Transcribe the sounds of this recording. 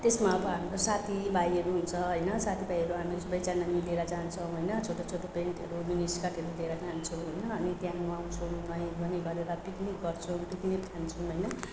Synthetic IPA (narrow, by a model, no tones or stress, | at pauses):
t̪esmaʌbʌɦamiɾosat̪ʰibajʌɾuɦunt͡sʰʌɦʌjnʌsat̪ʰibajʌɾuɦamisʌbʌjt͡sanːamileɾʌd͡zant͡sʰʌ̃w̃ɦojnʌt͡sʰoʈot͡sʰoʈopeɳʈʌ̰ɾuminiskaʈeɾud̪ʱeɾʌd͡zant͡sʰuɦojnʌːnit̪jãaw̃t͡sʰunʌj̃bʱʌniɡʌɾeɾapik̪niɡʌrt͡sʰũbik̪nit̪ʰant͡sʰũɦʌjnʌ